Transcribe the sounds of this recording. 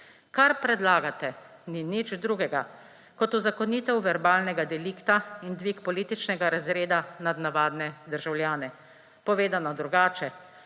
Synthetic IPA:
kaɾpɾɛd̪laːɡat̪ɛninit͡ʃd̪ɾuɡɛɡa | kɔt̪uzakɔniːt̪ɛwʋɛɾbaːlnɛɡad̪ɛliːkt̪aind̪ʋiːkpɔliːt̪it͡ʃnɛɡaɾazɾeːd̪anad̪naʋaːd̪nɛd̪əɾʒawljaːnɛ | pɔʋeːd̪anɔd̪ɾuɡaːt͡ʃɛ

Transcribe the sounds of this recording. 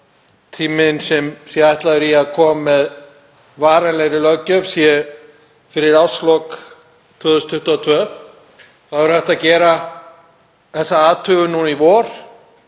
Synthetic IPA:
t̪ʰiːmɪnsɛmsjɛajht̪laðʏɾiaðkʰɔːmːɛð | vaːɾanlɛɣɾɪlœɣcːœvsjɛ | fɪɾɪɾawslɔk | t̪ʰvœːðʏst̪ʰʏht̪uat̪ʰvœː | θaðvʏɾθɛht̪acɛːɾa | ðɛsaaːt̪ʰʏɣʏnunivɔːɾ̥

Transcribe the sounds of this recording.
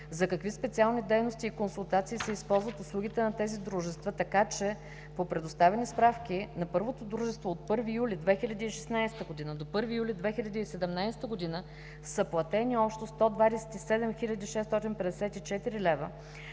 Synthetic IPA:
zɐkɐkvispɛt̪sialˠnid̪ɛjnost̪iːkonsulˠt̪at̪siːsɛispɔlˠzvət̪ʊslˠuɡʲit̪ɛnɐt̪ɛzid̪ɾuʒɛst̪vət̪ɐkat͡ʃɛ | popɾɛd̪ost̪avɛnispɾafkʲinɐpɤɾvot̪od̪ɾuʒɛst̪voːt̪̚pɤɾvijulid̪vɛxilʲɐd̪iːʃɛ̥snajst̪əɡod̪inəd̪opɤɾvijulʲid̪vɛxilʲɐd̪iːsɛd̪ɛmnajsɛ̥t̪əɡod̪inə | səplˠɐt̪ɛniɔpʃt̪ost̪ɔd̪vad̪ɛsɛ̥t̪isɛd̪ɛmxilʲɐd̪iʃɛst̪ɔt̪inpɛd̪ɛsɛt̪it͡ʃɛt̪iɾilɛvə

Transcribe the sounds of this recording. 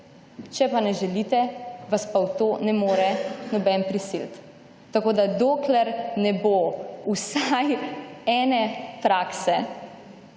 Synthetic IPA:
t͡ʃɛpanɛʒɛlit̪ɛʋaspawt̪oːnɛmoːɾɛnɔbɛnpɾisilt̪ː | akoːd̪ad̪oːklɛɾnɛbousajɛːnɛpɾaːksɛ

